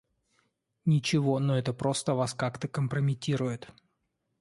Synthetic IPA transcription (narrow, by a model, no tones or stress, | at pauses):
nʲɪt͡ɕɪvo̞noɛt̪əpɾo̞st̪əvaskakt̪əkəmpɾəmʲɪtʲiɾʊjɪt̪